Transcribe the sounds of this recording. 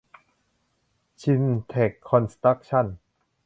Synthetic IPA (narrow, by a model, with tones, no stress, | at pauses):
t͡ɕʰi˧nt̪ʰe˨˩kʰːɔ˧nst̪ɾa˦˥k̚t͡ɕʰa˥˩n